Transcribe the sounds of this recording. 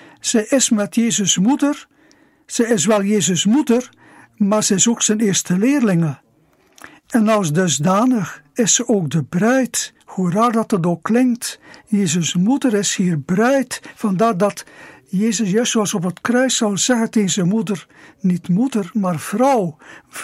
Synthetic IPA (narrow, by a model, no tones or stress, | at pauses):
z̥ɛjʔɪsmɛtjeːzəsmudər | sɛjɪs̬ʋɛlˠjeːzəsmudər | maːrsɛɪsoksɛnɪːɹstəlɪːrlɪŋə | ɛnɑlˠsdɵzdaːnəxɪsːəʔoːk̚dəbrɛjt | huədaːrdɑtədoːklɪŋktjeːzəsmudəɾɪshiːrbrɛjtfɑndaːrdɑtjeːzəsjœɥssoɑsɔp̬ətkrœɥsɑlˠzɛɣətezəmudərnitmudərmaːrv̥rɔw